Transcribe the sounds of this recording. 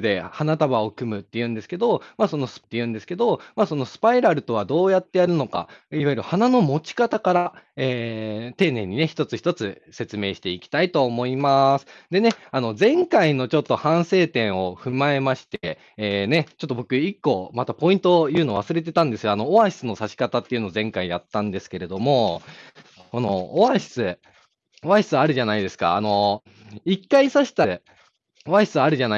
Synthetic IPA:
d̪e̞hanat̪aβaokɯ̟mɯ̟t̪ːe̞jɯ̟̃nd̪e̞sɨ̥ke̞d̪o̞maso̞no̞st̪ːejɯ̟̃nd̪esɨ̥ke̞d̪o̞maso̞no̞sɨ̥paiɾaɾɯ̟t̪o̞βad̪o̞ːjat̪ːe̞jaɾɯ̟no̞ka̰iβajɯɾɯ̟hanano̞mo̞t͡ɕi̥kat̪akaɾaeːt̪e̞ːnẽ̞̰ɲ̟ːine̞çi̥t̪ot͡sɨçi̥t̪o̞t͡sɨ | se̞t͡sɨme̞ːɕi̥t̪e̞ikʲi̥t̪ait̪o̞ːmo̞imasɨ̥d̪e̞ne̞ano̞d͡zẽ̞ŋkaino̞t͡ɕo̞t̪ːo̞hãɰ̃se̞ːt̪ẽ̞ɰ̃o̞ɸɯ̟mae̞maɕi̥t̪eː | ne̞t͡ɕo̞t̪ːobo̞kɯ̟ikːo̞mat̪apo̞ĩnt̪o̞jɯ̟ːnoβ̞asɨɾe̞t̪̬e̞t̪ãnd̪e̞sɨɡano̞oβaɕi̥t͡sɨno̞saɕi̥kat̪at̪ːeiɯ̟no̞ːzẽ̞ŋkaijat̪ːãnd̪e̞sɨ̥ke̞ɾe̞d̪o̞mo̞ | ko̞no̞̰ːβaɕi̥t͡sɨ | oβaɕi̥t͡sɨaɾɯ̟ʑanaid̪e̞sɨ̥ka̰a̰no̞ | ikːaisaɕi̥t̪a | oβaɕi̥t͡sɨaɾɯ̟ʑana

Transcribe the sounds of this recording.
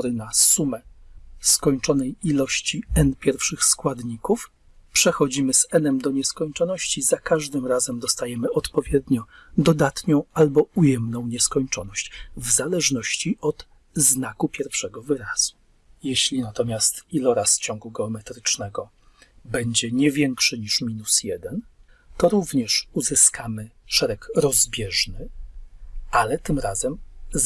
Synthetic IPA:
ɾɘnasumɛskɔɲt͡ʂɔnɛjilɔɕt͡ɕiɛnpʲjɛɾfʂɘxskwad̪ɲikuf | pʂɛxɔd͡ʑimɘzɛnɛmd̪ɔɲɛskɔɲt͡ʂɔnɔɕt͡ɕizakaʐd̪ɘmɾazɛmd̪ɔst̪ajɛmɘʔɔt̪pɔvʲjɛd̪ɲɔ | d̪ɔd̪at̪ɲɔ̃w̃albɔujɛmnɔ̃w̃ɲɛskɔɲt͡ʂɔnɔɕt͡ɕvzalɛʐnɔɕt͡ɕiʔɔd̪̥ | znakupʲjɛɾfʂɛɡɔvɘɾaz̥u̥ | jɛɕlʲinat̪ɔmʲjast̪ilɔɾasft͡ɕɔŋɡuɡɛɔmɛt̪ɾɘt͡ʂnɛɡɔ | bɛɲd͡ʑɛɲɛvʲjɛŋkʂɘɲiʂmʲinusjɛd̪ɛn | t̪ɔɾuvɲɛʂuzɘskamɘʂɛɾɛkɾɔzbʲjɛʐnɘ | ʔalɛt̪ɘmɾazɛm

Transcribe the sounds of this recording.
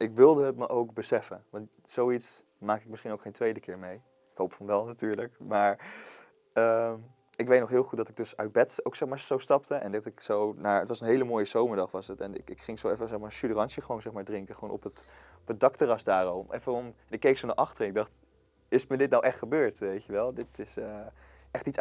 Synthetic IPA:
ʔɪkʋɪlˠdəɦətməʔowkbəsɛfənʋɑnt | sowits | maːkɪk̚mɪsχinowkχejntʋejdəkɪːɹmej | ɪkɦowpfɔnʋɛlˠnatyːɹləkmaːɹ | əm | ɪkʋejtnɔχɦɪːlˠχut̚dɑtɪɡ̚dɵsœɥt̚bɛtowksɛχmaːɹowstɑp̚təʔɛ̰ndɑtɪksownaːɹətʋɑsənɦejləmoːjəzowməɹdɑχʋɑsətɛnɪ̰kɪkχɪŋsowɛfəsɛχmaːɹʃylərɑnsəχəʋonzɛχmaːɹdrɪŋkəχəʋonɔ̰pət | pədɑktərɑsdaːromʔɛ̰fəɔmɛnɪkːejksonaɹʔɑχtərənɪɡ̚dɑχt | ɪsmədɪt̚nawʔɛχtχəbøːɹtʋejtjəʋɛlˠdɪtɪsə | ʔɛχtits

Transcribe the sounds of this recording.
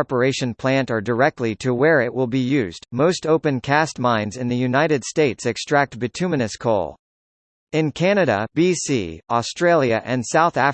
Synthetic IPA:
ɹpə˞eɪʃɨ̃npʰl̥æ̃ntə˞də˞ɛk̚tʰˡliɾɨwə˞ɪʔ̚wɪlˠbijʉzdmoʊstoʊpɨ̃nkʰæst̚mãɪ̃nzɨ̃nðɨjʉnaɪɾɨd̥steɪtsɨkstɹ̥æk̚t̚b̥ɨtʰʉmɨnɨskʰo̰ʊlˠ | ɪ̃nkʰænɨɾɨ̰b̥isḭɔstɹ̥eɪlˠjɨ̰ʔɨ̃nsaʊθæ

